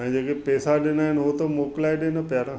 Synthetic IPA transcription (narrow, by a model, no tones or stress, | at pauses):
ɛ̃d͡ʒeːkepɛːsaɗɪnaːɦɪnɦot̪omoːklaːeɗeːnɐpjaːɾãː